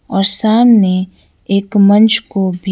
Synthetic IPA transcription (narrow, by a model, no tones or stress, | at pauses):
ɔːɾsaːmne | eːkmɐ̃nt͡ʃʰkobʱi